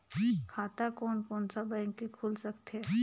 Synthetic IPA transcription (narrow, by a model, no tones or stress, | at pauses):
kʰaːt̪akɔːnkɔːnsabɛ̃ɪŋkːikʰuːlsɐkt̪ɛ